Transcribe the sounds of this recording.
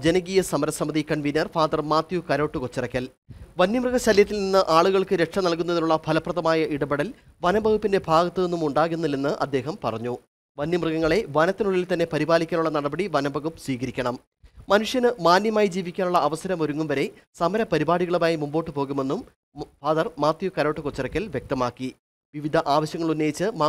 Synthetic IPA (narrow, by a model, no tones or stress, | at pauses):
d͡ʑe̞nɐɡijɐsɐmɐɾɐsɐmɐðikɐɳʋiːnːɐrfaːd̪ɐrmaːt̪jukɐɾo̞ːʈːɨkot͡ɕːirɐkʲːɐl | ʋɐnːimrɨɣɐɕɐljɐt̪ːilninːɨʔaːɭuɣɐɭkɨɾe̞kʂɐmnɐlkunːɐðiluɭːɐbʱɐlɐprɐðɐmaːjɐʔiɽɐbɐɽɐl | ʋɐnɐbʱɐɣupːinde̞bʱaːɡɐt̪ːɨenːumuɳɖaːɣunːɐlːenːɨʔɐ̰d̪ːe̞ːɦɐmpɐrɐɲːu | ʋɐnːimrɨɣɐŋːɐɭe̞ʋɐnɐt̪ːinuɭːilt̪ɐnːe̞pɐɾibaːlikʲːaːnuɭːɐnɐɽɐbɐɽiʋɐnɐbʱɐɣupːswʋiːɣɐɾikʲːɐɳɐm | mɐnuʂjɐnɨmaːnjɐmaːjid͡ʑiːʋikʲːaːnuɭːɐːʋɐsɐɾɐmo̞ɾuŋːumʋɐɾe̞ | sɐmɐɾɐpɐɾibaːɽiɣɐɭumaːjimumbo̞ːʈːɨpo̞ːɣume̞nːum | faːðɐrmaːt̪jukɐɾoːʈːɨkot͡ɕːɐrɐkʲːɐlʋjek̚t̪ɐmaːkːi | ʋiʋid̪ʱɐʔaːʋɐɕjɐŋːɐɭunːejit͡ɕːɨmaː